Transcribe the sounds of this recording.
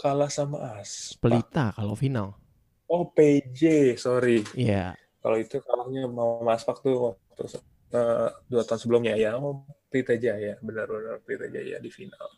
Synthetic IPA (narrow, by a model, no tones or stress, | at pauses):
kalasama̰ʔaspəlit̪akalofinal | ɔped͡ʒesoɾiia̰ | ka̰loit̪ukalakɲamamasfak̚t̪uwa | t̪us | əduat̪aunsəbəlʊmɲajapɾit̪ad͡ʒajabənarbənarpɾit̪ad͡ʒa̰ja̰difinal